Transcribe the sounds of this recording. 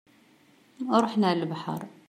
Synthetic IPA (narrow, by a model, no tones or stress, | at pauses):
ɾˤuħnaʕləlbaħɑ̰ɾˤ